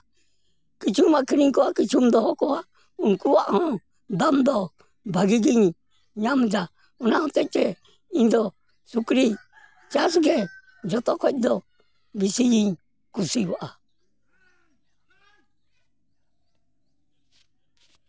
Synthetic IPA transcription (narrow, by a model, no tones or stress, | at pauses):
kit͡ʃumakʰiɾiŋkoakit͡ʃʰumd̪ɔhɔkɔwa | uŋkuwaʔhɔ̃ | d̪amd̪ɔ | bʱaɡiɡiɲ | ɲamd͡ʒa | unaɔ̃t̪ɛt͡ʃɛ | ĩnd̪ɔ | sukɾi | t͡ʃasɡɛ | d͡ʒɔt̪ɔkʰɔt̚d̪ɔ | bisijiɲ | kusiwaʔa